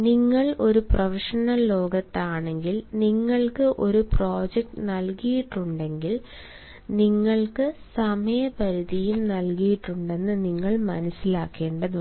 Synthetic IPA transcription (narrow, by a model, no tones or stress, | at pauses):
niŋːɐɭo̞ɾuprɐfiʂɐnɐlːo̞ːɡɐt̪ːaːɳe̞ŋɡilniŋːɐɭkɨʔo̞ɾupro̞ːd͡ʑek̚ʈɨnɐlkijiʈːuɳɖe̞ŋɡil | niŋːɐɭkɨsɐmɐjɐpɐɾiðijumnɐlkijiʈːuɳɖe̞nːɨniŋːɐɭmɐnɐsːilaːkːe̞ːɳɖɐðu